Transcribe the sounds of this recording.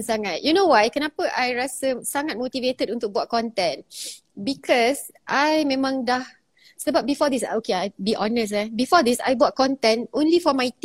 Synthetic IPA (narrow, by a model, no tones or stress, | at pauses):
saŋat̚junowajkənapəʔajɹasəsaŋat̪̚mot̪ivet̪ədũnt̪ʊk̚buwat̚kɔ̃nt̪ɛ̃n | bikʰɔs | ʔajmẽmãŋdah | səbap̚bifɔd̪isa̰okeajbiʔɔ̃nəs̬abifɔd̪isa̰jbuat̚kɔ̃nt̪ɛ̃nʔõnlifɔmajt̪